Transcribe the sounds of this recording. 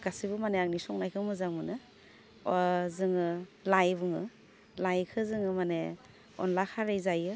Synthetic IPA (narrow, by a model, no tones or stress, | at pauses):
ɡ̥asibumaneaŋnisɔŋnajkʰɯmɯzaŋmɯnɯ | zɯŋɯlajbɯŋɯ | lajkʰɯzɯŋɯmane | ɔ̰nlakʰaɾajzajɯ